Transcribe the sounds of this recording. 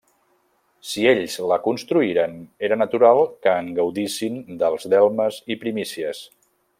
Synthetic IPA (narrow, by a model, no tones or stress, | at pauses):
sieʎzləkunst̪ɾuiɾəneɾənət̪uɾalˠkəːŋɡəwðisind̪əlˠzðɛlˠməzipɾimisiəs